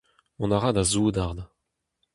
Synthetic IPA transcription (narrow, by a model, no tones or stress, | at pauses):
ɔ̃naʁad̪azuːd̪aʁd̪a